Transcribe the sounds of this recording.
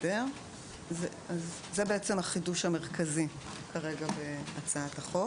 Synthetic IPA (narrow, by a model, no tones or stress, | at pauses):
deʁ | z | azː | ebeet͡se̞mhaχiduʃame̞ʁkʰazi | kaʁe̞ɡabeat͡saataχo̞